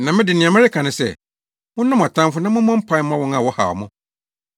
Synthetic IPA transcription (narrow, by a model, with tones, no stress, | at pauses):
nã˨mɪ̃˦dɪ˨nɪ̃˨ã˨mɪ̃˦ɪ˦kʰã˨nɪ̃˨sɛ̰˨ | mʊ̃˦ʊ̃˦m˨a˨tʰã˦m˦fʊ˦nã˦mʊ̃˦mɔ̃˦m̩˦pʰã˦m̃˦ã˦wɔ̃˦ŋ˦ã˨wɔ˦ha̰˨ɔ̰˨mʊ̃˦